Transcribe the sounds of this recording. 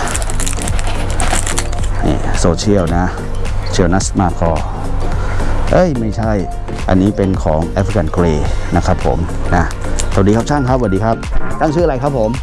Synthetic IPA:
nḭː˧˨˩soː˧t͡ɕʰi˥˩əwna˦˥ | t͡ɕʰi˧əwna˦˥smaː˧kʰɔː˧˩ | ʔɤ˦˥˩jma˥˩jt͡ɕʰa˥˩j | ʔa̰˧nːiː˦˥pe˧nkʰɔ̰ː˩˦ŋʔɛ˦˥pʰi˧ka˧˩nkɾeː˧na˦˥kʰɾa˦˥pʰːo̰˩˦mna˦˥ | sa˨˩diː˧a˦˥p̚t͡ɕʰaː˥˩ŋkʰa˦˥p̚wa˨˩diː˧kʰa˦˥p̚t̪a˥˩ŋt͡ɕʰɯː˦˥a˧ɾa˧jkʰa˦˥pʰːo˩˦m

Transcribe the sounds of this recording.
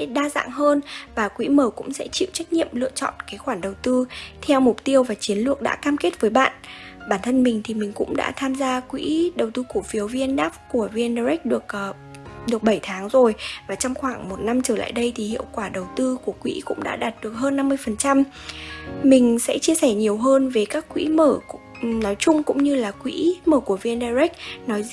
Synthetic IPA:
ɗaː˧za̰ː˧˨ŋhəː˧nvaː˨˩kwḭ˧˥məː˧˩kʊ̰˧˥ŋ͡msɛ̰˧˥t͡ɕḭ˧˨wt͡ɕa˦˥jk̟̚ɲḭ˧˨əmlɨ̰˧˨ət͡ɕɔ̰˧˨nkaː˨˦jxwaː˧˩ɗə˨˩wt̪ɨ˧t̪ʰɛ˧wmʊ˨˩k͡p̚t̪i˧əwvaː˨˩t͡ɕi˨˦ənlɨ˨˧˩ək̚ɗa̰ː˧˥kaː˧mke˦˥t̚vəː˨˦jɓa̰ː˧˨nɓaː˧˩nt̪ʰə˧nmï˨˩ŋ̟t̪ʰi˨˩mï˨˩ŋ̟kʊ̰˧˥ŋ͡mɗa̰ː˧˥t̪ʰaː˧mzaː˧kwḭ˧˥ɗə˨˩wt̪ɨ˧ku˧˩əfi˨˦əwvi˧ənɗaː˦˥p̚ku˧˩əvi˧nɗə˧ɹɛ˦˥k̚ɗɨ˨˩ək̚ː | ɗɨ˨˩ək̚ɓə˧˩jt̪ʰaː˨˦ŋzo˨˩jvaː˨˩t͡ɕɔ˧wŋ͡mxwaː˧˩ŋmo˨˩t̚na˧mt͡ɕəː˧˩la̰ː˧˨jɗə˧jt̪ʰi˨˩hḭ˧˨əwkwaː˧˩ɗə˨˩wt̪ɨ˧ku˧˩əkwḭ˧˥kʊ̰˧˥ŋ͡mɗa̰ː˧˥ɗaː˨˩t̚ɗɨ˨˩ək̚ɦəː˧nːa˧mːɨ˧əjfə˨˩nt͡ɕa˧m | mï˨˩ŋ̟sɛ̰˧˥t͡ɕi˧əsɛ˧˩ɲi˨˩əwɦəː˧nve˨˦kaː˦˥kːwḭ˧˥məː˧˩ | nɔ˨˦jt͡ɕʊ˧ŋ͡mkʊ̰˧˥ŋ͡mɲɨ˧laː˨˩kwḭ˧˥məː˧˩ku˧˩əvi˧ənɗaː˧jzɛ˦˥k̚nɔ˨˦j

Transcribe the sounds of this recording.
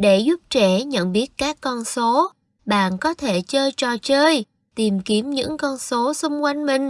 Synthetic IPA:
ɗe˧˩zu˦˥p̚t͡ɕɛ˧˩ɲə̰˧˨nɓi˦˥ət̚kaː˦˥kːɔ˧nso˨˦ | ɓa̰ː˧˨nkɔ˨˦t̪ʰe˧˩t͡ɕəː˧jt͡ɕɔ˨˩t͡ɕəː˧j | t̪i˨˩mki˨˦əmɲɨ̰˧˥ŋkɔ˧nso˨˦sʊ˧wŋ͡mkwa˧jŋ̟mï˨˩ŋ̟

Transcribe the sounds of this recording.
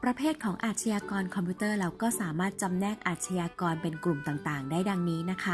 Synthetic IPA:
pɾa˧pʰeː˥˩t̪̚kʰɔː˩˦ŋʔaː˨t̪̚t͡ɕʰa˧jaː˧kɔː˧nkʰɔ˧mpʰu˦˥t̪ɤː˥˩ɾa˧wkɔː˥˩saː˩˦maː˥˩t̪̚t͡ɕa˧mnɛː˥˩k̚ʔaː˨˩t̪̚t͡ɕʰa˧jaː˧kɔː˧npe˧nklu˨˩mt̪aː˨˩ŋt̪aː˨˩ŋdaː˥˩jda˧ŋniː˦˥na˦˥kʰa˦˥

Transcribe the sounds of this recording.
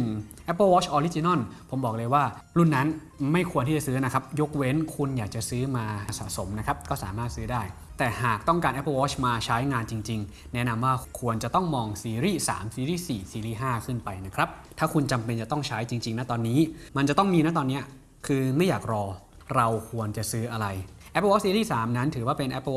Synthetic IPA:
ŋʔɛ˦˥pːəː˥˧wɔː˦˥t͡ɕʰʔɔː˧li˦˥t͡ɕi˧nɔ˥˩npʰo˩˦mbɔː˨˩k̚lɤː˧jwaː˥˩lu˥˩nːa˦˥n | ma˥˩jkʰu˧ət̪ʰiː˥˩t͡ɕa˨˩sɯː˦˥na˦˥kʰɾa˦˥p̚jo˦˥k̚we˦˥nkʰu˧njaː˨˩k̚t͡ɕa˨˩sɯː˦˥maː˧˩sa̰˨˩ʔso˩˦mna˦˥kʰa˦˥p̚kɔː˥˩sa̰ː˩˦maː˥˩t̪̚sɯː˦˥daː˥˩j | t̪ɛː˨˩ɦaː˨˩k̚t̪ɔ˥˩ŋkaː˧nʔɛ˦˥pːəː˧wɔː˦˥t͡ɕʰmaː˧t͡ɕʰa˦˥jŋaː˧nt͡ɕi˧ŋt͡ɕi˧ŋ | nɛ˦˥na˧mwaː˥˩kʰu˧ənt͡ɕa˨˩t̪ɔ˥˩ŋmɔː˧ŋsiː˧ɾiː˥˩sa̰ː˩˦msiː˧ɾiː˥˩siː˨˩siː˧ɾiː˥˩ɦaː˥˩kʰɯ˥˩npa˧jna˦˥kʰɾa˦˥p̚t̪ʰaː˥˩kʰu˧nt͡ɕa˧mpe˧nt͡ɕa˨˩t̪ɔ˥˩ŋt͡ɕʰa˦˥jt͡ɕi˧ŋt͡ɕi˧ŋna˦˥t̪ɔː˧nːiː˦˥ma˧nt͡ɕa˨˩t̪ɔ˥˩ŋmiː˧na˦˥t̪ɔː˧nːi˦˥ɐ | kʰɯː˧ma˥˩jaː˨˩k̚ɾɔː˧ | ɾa˧wkʰu˧ənt͡ɕa˨˩sɯː˦˥ʔa˧ɾa˧j | ʔʔɛ˦˥pʰːə˧wɔ˦˥siː˧ɾiː˥˩saː˩˦mna˦˥nt̪ʰɯː˩˦waː˥˩pe˧nʔɛ˦˥pːə˧˥

